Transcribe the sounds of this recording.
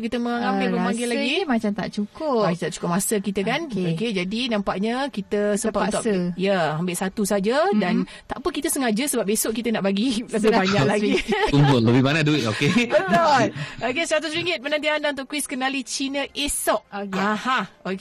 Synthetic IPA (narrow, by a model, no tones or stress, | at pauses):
kit̪əməŋambɪlpəbaŋɡɪlaɡimat͡ʃamt̪a̰ʔt͡ʃukʊit̪aʔt͡ʃu̥kʊp̚masəkit̪əkanoked͡ʒadinãmpaʔɲəkit̪əsəmmpattt̪ɔajəambɪʔsat̪usad͡ʒədan | t̪aʔpəkit̪əsəŋad͡ʒəsəbap̚besʊʔkit̪ənaʔbaɡiləbɪbaɲalaɡiumbʊnləbɪbanaduɪt̪okebət̪b̪ʊlokesəɾat̪ʊsɾiŋɪt̪̚pənant̪iandaunt̪ʊʔkwiskənalit͡ʃinəʔesɔʔ̚okahaok